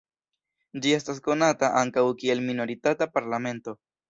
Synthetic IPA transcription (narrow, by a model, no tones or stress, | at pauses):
d͡ʒie̞stasko̞nataʔaŋkawkie̞lmino̞ɾitatapaɾlame̞nto̞